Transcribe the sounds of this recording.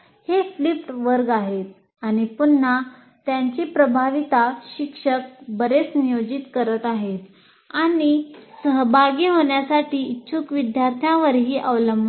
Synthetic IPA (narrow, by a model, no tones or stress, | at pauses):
heflipʈʋəɾɡaɦet̪̚ | aɽ̃ipunːa | t̪jaɲt͡ɕiːpɾəbʱaʋit̪aɕikʂək̚bəɾet͡snijod͡ʑit̪kəɾət̪aɦet̪ | aɽ̃isəɦbʱaɡiːɦoɳjasaʈiːitːɕʰukʋid̪jaɾt̪ʰjãʋəɾɦiːʔəʋləmbʱa